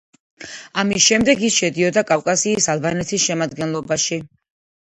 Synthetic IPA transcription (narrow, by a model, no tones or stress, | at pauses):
amisʃɛmd̪ɛɡisʃɛd̪iɔd̪akʼafkʼasiːsalˠbanɛt̪ʰisʃɛmad̪ɡɛnlˠɔbaʃi